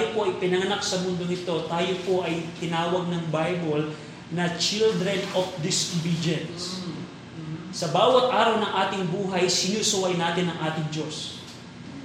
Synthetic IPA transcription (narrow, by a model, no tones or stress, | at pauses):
jopo̞ʔɐjpɪnɐŋɐnak̚sɐmʊnd̪oŋɪt̪o̞t̪aːjo̞po̞ʔɐjt̪ɪnaːwɐɡ̚nɐŋbajbol | nɐt͡ʃild̪ɾɛnofd̪ɪsbid͡ʒɛns | sɐbaːwɐt̪̚ʔaːɾɐwnɐŋʔaːt̪ɪŋbuːɦɐjsɪnusʊwɐjnaːt̪ɪnɐŋʔaːt̪ɪŋd͡ʒo̞s